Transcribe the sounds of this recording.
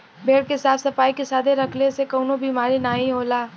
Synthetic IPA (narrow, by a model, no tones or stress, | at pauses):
bʱeːɽkesaːfsɐfaːikesaːd̪ʱeɾɐkʰlesekɐːʊnobiːmaːɾinaːɦĩɦoːlaː